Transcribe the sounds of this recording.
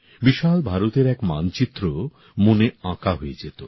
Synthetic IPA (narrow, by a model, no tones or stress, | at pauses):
biʃalbʱaɾot̪eɾɛkma̰nt͡ɕit̪ːɾo | moneãkaɦoed͡ʑet̪o